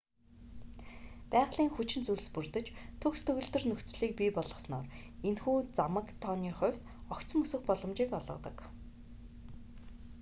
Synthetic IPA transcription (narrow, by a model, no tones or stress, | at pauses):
pæːʁɮiːŋxut͡ɕɪ̆nt͡suɮ̆spurt̪ɘ̆t͡ɕt̪ʰɵkst̪ʰɵɣɵ̆ɮt̪ɵ̆rnɵxt͡sɮiːk̚piːpɔɮʁɞ̆snɔːrenxuːt͡samə̆kt̪ʰɔːniːχʊ̟w̥ʲt̪ | ɔkt͡sɞ̆mɵsɵ̆xpɔɮɞ̆mt͡ɕiːkɔɮʁɞ̆t̪ə̰̆k